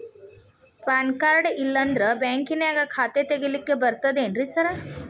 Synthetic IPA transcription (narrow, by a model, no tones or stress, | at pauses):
paːnkaːɾɖilːɐnd̪ɾebaːŋkinaːɡɐkʰaːt̪et̪eɡilikːe̞bɐɾt̪ɐd̪eːnɾisɐɾɐ